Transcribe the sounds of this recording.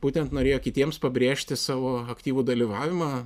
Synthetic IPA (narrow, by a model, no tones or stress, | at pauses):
b̥uːt̪ʲɛnt̪noːɾʲeːjoːkʲɪt̪ʲiɛmspɐbʲɾʲeːʃʲt̪ʲɪsɑːʋoːɐkt̪ʲiːʋuːd̪ɐlʲiʋɑːʋʲɪmɑː